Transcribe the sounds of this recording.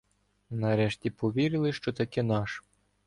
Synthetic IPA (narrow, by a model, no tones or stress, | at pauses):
nɐɾɛʃtʲipɔʋʲiɾɪlˠɪʃt͡ʃɔt̪ɐkɛnɑʃ